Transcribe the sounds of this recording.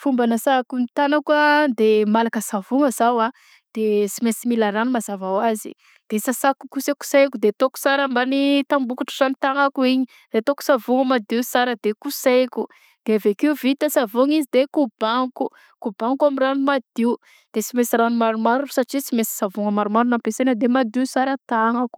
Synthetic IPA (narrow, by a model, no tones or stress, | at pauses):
fumbanasakunit̪anakəd̪emalakəsavuŋəzawa | d̪̥esimesimilaɾanumazavawazḭ | d̪̥esasakukuseku̥sejkud̪et̪oku̥saɾəmbanit̪ambukuʈ͡ʂazanit̪aŋakuiɲi | d̪̥et̪oku̥savuŋəmad̪iusaɾəd̪ekuseku | d̪̥eavekiuvit̪əsavuŋizid̪ekub̥aŋku | kubaŋkamiranumad̪i | d̪̥esimesiranumaɾumaɾusaʈ͡ʂit͡simesi̥savuŋəmaɾumaɾunampesenad̪emad̪iusaɾət̪aŋaku̥